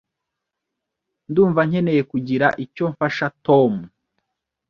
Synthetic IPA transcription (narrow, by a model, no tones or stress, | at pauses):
nduːɱvaɲ̥e̞ne̞jekuɟiɾaʔico̞ɱfaʃatomu